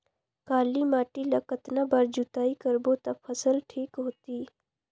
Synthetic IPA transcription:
kaːlimaːʈilɐkət̪nabaɾd͡ʒut̪aːikəɾbot̪ɐpʰəsəlʈʰiːkɦoːt̪iː

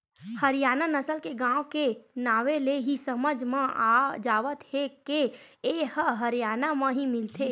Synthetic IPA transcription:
həɾɪjaːnanəsəlkeɡãːwkenaːʋeleɦisəməd͡ʒʱmẽad͡ʒaːʋət̪hekeehəɦəɾijaːnamə̃ɦimɪlt̪ʰe

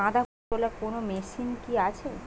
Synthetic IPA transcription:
ãd̪a | olakonomeʃinkiat͡ɕʰe

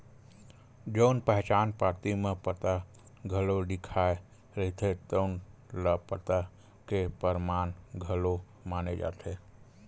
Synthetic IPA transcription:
d͡ʒəʊnpəɦt͡ʃaːnpaːɾt̪imẽpət̪a | ɡʱəloɖɪkʰaːe | ɾəɦit̪ʰet̪əʊnləpət̪a | kepəɾmaːnɡʱəlo | maːned͡ʒa̰ːt̪ʰe

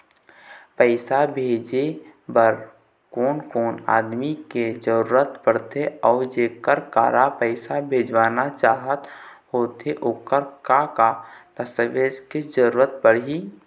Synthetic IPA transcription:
pəɪsabʱeːd͡ʒebəɾ | koːnkoːna̰ːd̪miked͡ʒəɾuːɾət̪pəɽt̪ʰeɔːɾd͡ʒeːkəɾka̰ːɾapəɪsabʱeːd͡ʒwaːnat͡ʃaːɦət̪hoːt̪eʔoːkəɾkakat̪əsəʋeːd͡ʒked͡ʒəɾuːɾət̪̚pəɽɦiː

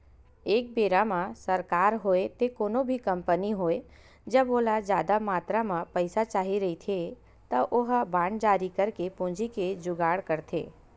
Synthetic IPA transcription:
eːk̚beːɾamãsəɾkaːɾɦoːet̪ekoːnobʱikɐ̃mpəniɦoːe | d͡ʒəboːlad͡ʒjaːd̪amaːt̪ɾamãpəɪsat͡ʃaːɦiɾɐɦit̪ʰe | t̪əʔʊɦbãːɳɖd͡ʒaːɾikəɾkepõːd͡ʒiked͡ʒʊɡaːɽkəɾt̪ʰḛː

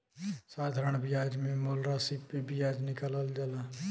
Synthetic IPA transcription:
saːt̪ʰɾəɳ̃bɪjaːd͡ʒmẽmoːlɾasipːibɪjaːd͡ʒnɪkələld͡ʒala

